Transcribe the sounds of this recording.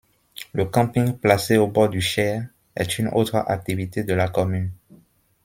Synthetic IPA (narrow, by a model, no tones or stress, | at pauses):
ləkɑ̃pĩŋplaseobɔd̪yʃɛ | ɛ̰t̪ʰyno̰tχəʔa̰k̚t̪ivit̪ed̪əlakɔmyn